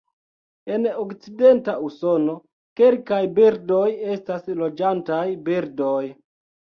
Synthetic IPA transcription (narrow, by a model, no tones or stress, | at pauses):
e̞nokt͡side̞ntausono̞ | ke̞lkajbiɾdo̞je̞staslo̞d͡ʒantajbiɾdo̞j